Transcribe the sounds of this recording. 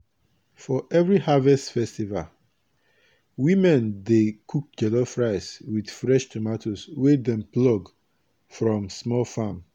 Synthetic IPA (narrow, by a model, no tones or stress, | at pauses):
fɔʔɛvɹihavɛstfɛstival | wĩmɛ̃ndekʰuk̚d͡ʒɛlofɹaɪswid̥fɹɛʃtʰomatʰoswedɛ̃mplɔɡ | fɹɔ̃msmɔlfãm